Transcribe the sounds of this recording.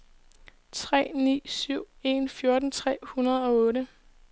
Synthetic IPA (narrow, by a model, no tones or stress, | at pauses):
t͡sʰʁɛ̰ːnḭːsyʊ̰e̝nfjo̝ɐd̥n̩t͡sʰʁɛ̰ːhunɐð̞̩ˠɒ̽ɔ̽ːɾə